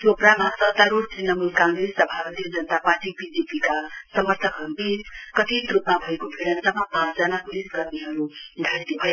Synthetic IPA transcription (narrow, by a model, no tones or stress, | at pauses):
t̪jopramasʌt̪aɾuʈt̪rinʌmulkãŋɡɾesʌbʱapʌt̪ijʌd͡zʌnət̪apaʈipidepikasʌmʌrt̪ʰʌkɦʌbikʌt̪it̪rupmabʱʌekobʰʱeɽʌnsʌmapãt͡sd͡zʌnapulisɡʌrniɦʌɾuɡʱat̪ibʱʌ